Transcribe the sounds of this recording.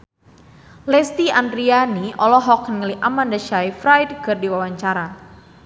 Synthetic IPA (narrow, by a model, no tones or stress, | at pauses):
lɛst̪iandɾianiɔlɔɦɔknəŋəliʔamandaʃaifɾajdkɨrdiwawaɲt͡ʃaɾa